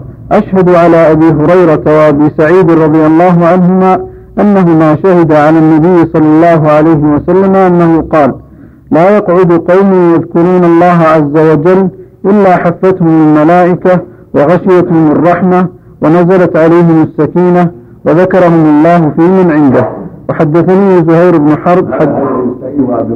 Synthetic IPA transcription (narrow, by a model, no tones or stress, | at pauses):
ʔaʃhad̪ʕalaːʔabiːɦʊɾɑjɾˤɑt̪awaʔabiːsaʕiːd̪ɾˤɑd̪ˤɨjalˤːɑːɦʊʕanɦʊmaː | ʔanːaɦʊmaːʃahɪd̪aʕalaːnːabɪjːɪsˤɑlːɑlˤːɑːɦʊʕalajɦɪwasalːamaʔanːahʊqɑːl | laːjɑqʕʊd̪qɑwmʊhjaðkʊɾuːnɑlˤːɑːɦaʕazːawad͡ʒalːʔɪlːaːħafːat̪hʊmːɪlmalaːʔɪka | wɑɣaʃɪjat̪hʊmɑrˤːɑħma | wanazalat̪ʕalajɦɪmasːakiːna | waðakɑɾˤɑhʊmʔɑlˤːɑːhʊfiːmanʕɪnd̪ahwaħad̪ːaθaniːhzʊhajɾɪbnʊħɑɾˤd̪ˤħd̪